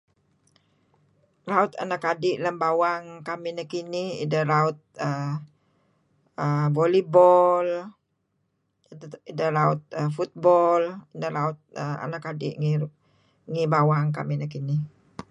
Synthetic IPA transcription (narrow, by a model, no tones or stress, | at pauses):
laʊt̪a̰nakadɪʔləmbawaŋkaminakiniḭdəɾaʊt̪̚ə | əbolibɔl | idəlaʊt̪̚əfut̪̚bɔlidəɾaʊt̪̚əa̰nakadɪ̰ʔŋi | ŋibawaŋka̰minakini